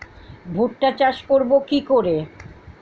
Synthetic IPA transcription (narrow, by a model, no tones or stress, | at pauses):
bʱoʈːat͡ɕaʃkoɾbokikoɾe